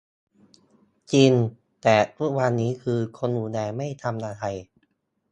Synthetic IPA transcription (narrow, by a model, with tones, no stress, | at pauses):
t͡ɕiː˧n | t̪ɛː˨˩t̪ʰu˦˥k̚wa˧nːiː˦˥kʰɯː˧kʰo˧nhuː˨˩dɛː˧ma˥˩jt̪ʰa˧mnaː˧t̪ʰa˧j